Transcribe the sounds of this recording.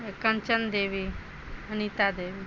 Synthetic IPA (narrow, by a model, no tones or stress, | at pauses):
ekɐnt͡ʃənd̪eːʋi | ɦənit̪ad̪eːʋi